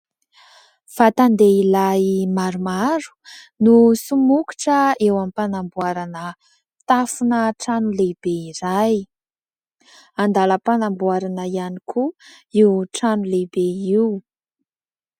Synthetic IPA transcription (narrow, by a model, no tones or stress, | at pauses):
fat̪and̪eilamaɾumaɾu̥ | nusumuki̥ʈ͡ʂəewamipanambuaɾanə | t̪afunəʈ͡ʂanulebeiɾaj | and̪aləpanambuaɾanəianikʰuiwʈ͡ʂanulebeiw